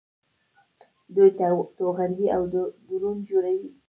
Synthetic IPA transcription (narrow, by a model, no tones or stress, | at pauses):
d̪ujt̪oɣand̪iawd̪əd̪uɾund͡ʒoɾawi